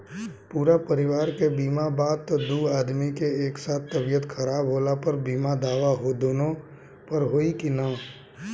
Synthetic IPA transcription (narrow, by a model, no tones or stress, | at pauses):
puːɾapəɾɪʋaːɾkebiːmabaːd̪̚t̪d̪uːaːd̪mikeeːksaːt̪ʰːəbijət̪kʰəɾaːbɦoːlapəɾbiːmad̪aːʋaɦod̪oːnõ | pɐɾɦoːikinaː